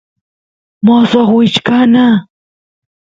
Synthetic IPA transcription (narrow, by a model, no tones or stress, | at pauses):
mosoχwɪt͡ʃkana